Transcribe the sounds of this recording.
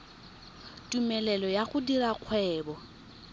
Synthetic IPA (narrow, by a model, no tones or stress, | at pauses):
tʼumɛlɛlɔjaχʊdiraq͡χʰwɛːbɔ